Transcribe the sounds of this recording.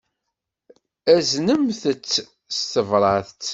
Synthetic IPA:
æznəmθət͡sː | st̪əvɾˤɑθt͡sː

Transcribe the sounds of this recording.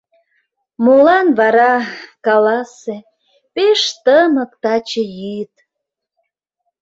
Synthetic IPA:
molɑnβɑɾɑkɑlɑse | peʃt̪əmə̆kt̪ɑt͡ɕəjit̪

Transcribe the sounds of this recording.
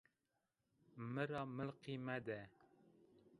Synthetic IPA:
mɨɾɑːməlqiːmɛd̪ɛ

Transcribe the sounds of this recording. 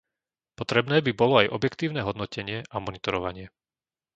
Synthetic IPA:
pɔt̪ɾɛbnɛːbibɔlɔajʔɔbjɛkt̪iːʊnɛɦɔd̪nɔcɛɲɪɛʔamɔnit̪ɔɾɔʋaɲɪɛ

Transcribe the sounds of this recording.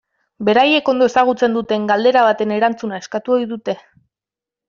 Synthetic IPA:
be̞ɾaje̞ko̞nd̪oe̞saɣ̞ut͡se̞nd̪ut̪e̞ŋɡald̪e̞ɾaβ̞at̪e̞ne̞ɾant͡sunae̞skat̪uo̞jðut̪e̞

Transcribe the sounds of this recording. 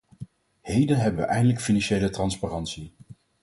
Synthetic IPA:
hejdənɦɛbənʋə̰ʔɛjndələkfinɑnʃejlətrɑnsparɑntsi

